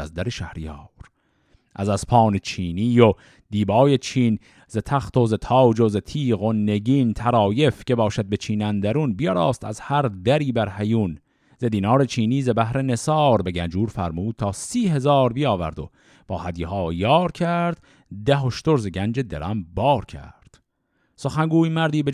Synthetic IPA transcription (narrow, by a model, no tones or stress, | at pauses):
æ̰zd̪æɾeʃæhɾijɑːɾ | ʔæzæz̥pʰɑːnet͡ʃʰiːniːjo | d̪̥iːbɒːjet͡ʃʰiːn | zet̪ʰæxt̪ozet̪ʰɑːwd͡ʒozet̪ʰiːɣone̞ɟiːnt̪ʰæɾɒːje̞fce̞bɒːʃæd̪̚be̞t͡ʃʰiːnænd̪æɾunbijɒɾɑːst̪æ̰zhæɾd̪æɾiːbæɾhæjun | zed̪iːnɒːɾet͡ʃʰiːniːzebæhɾe̞ne̞sɑːɾbe̞ɟænd͡ʒuːɾfæ̰ɾmuːd̪̥̚t̪ʰɑːsiːɦe̞zɑːɾbijɒːvæ̰ɾd̪o̞̰ | b̥ɒːhæd̪jihɑːjɑːɾcʰæɾd̪̥ | d̪æɦoʃt̪oɾzeɟʲænd͡ʒe̞d̪ḛɾʔæmbɒːɾcʲʰæ̰ɾd̪̥ | so̞xæŋɡuːjmæɾd̪iːbe